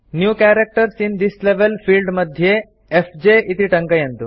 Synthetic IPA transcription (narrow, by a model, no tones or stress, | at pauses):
njuːkæɾek̚ʈəɾsind̪isleʋelfiːlɖməd̪ʱje | efd͡ʑeʔit̪iʈəŋkəjɐnt̪ṵ